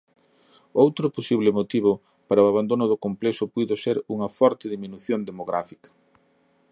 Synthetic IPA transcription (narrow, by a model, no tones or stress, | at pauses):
owt̪ɾʊposiβ̞lɪmot̪iβ̞ʊ | paɾɐoaβand̪onʊðʊkomplesʊpujðʊseɾuŋɐfɔɾt̪ɪðiminuθjond̪emoɣɾʔa̰fikɐ̥